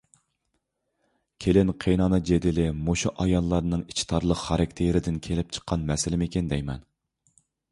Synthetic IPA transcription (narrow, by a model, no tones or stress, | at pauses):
kʲʰelɪnqʰejnɑːnɨd͡ʒed̪ɪlɪmoʃuʔɑjɑlˠːɑɾnɨŋi̥t͡ʃʰi̥t̪ʰɑɾlˠəqχɑɾɨkʲt̪ʰejɾɪd̪ɪnkʲʰelɪp̚t͡ʃʰə̥qʰːɑnmɛsɪlɪmekʲɛnd̪ɛjmɛ̰n